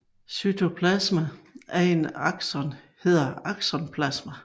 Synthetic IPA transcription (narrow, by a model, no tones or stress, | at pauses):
syt͡sʰo̝pʰlæsmææɐe̝nɑ̈ɡ̥sɒn | he̝ð̰ˠɐɑ̈ɡ̥sɒnpʰlæsmæ